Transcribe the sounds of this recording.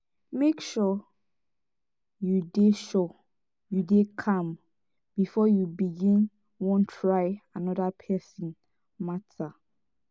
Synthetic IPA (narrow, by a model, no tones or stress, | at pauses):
mekʃɔ | judeʃɔ | judekʰãm | b̥ifɔjubiɡĩn | wɔ̃ntʰɹaɪanɔdapʰɛsĩn | matʰa